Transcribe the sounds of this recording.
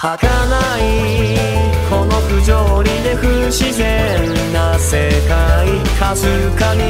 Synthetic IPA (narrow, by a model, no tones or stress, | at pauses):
hakana | i | kono̞ɸɯ̟d͡ʑoɾʲid̪e̞ɸɯ̟ɕize | nːase̞kai | kazɨ | kaɲi